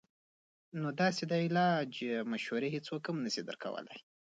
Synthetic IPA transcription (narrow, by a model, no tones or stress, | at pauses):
nod̪ɑsed̪ɑilɑd͡ʒmaʃhaɾeɦet͡sokhamnəsid̪ə̰ɾkʰa̰wə̰la̰j